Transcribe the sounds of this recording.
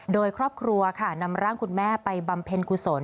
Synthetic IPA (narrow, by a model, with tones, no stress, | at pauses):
doː˧jkʰɾɔː˥˩p̚kʰɾu˧ɐkʰa˥˩na˧mɾaː˥˩ŋkʰu˧nmɛː˥˩pa˧jba˧mpʰe˧nkʰu˨˩so˩˦n